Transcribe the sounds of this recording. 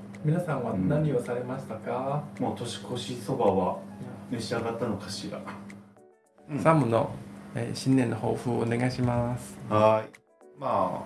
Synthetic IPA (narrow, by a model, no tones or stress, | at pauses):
mʲinasãɰ̃βanaɲ̟io̞saɾe̞maɕi̥t̪akamoːt̪o̞ɕi̥ko̞ɕiso̞baβaneɕiaɡat̪ːanokʰaɕiɾa̰ | samɯ̟no̞ḛɕĩnːenːoho̰ːɸɯ̟ːoone̞ɡaiɕimasɨ̥hai | ma